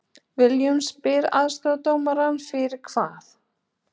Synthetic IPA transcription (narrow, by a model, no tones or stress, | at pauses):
vɪljʏmspɪɾa̰ðst̪aðt̪oːwmaɾanfɪɾɪɾ̥kʰv̥aːθ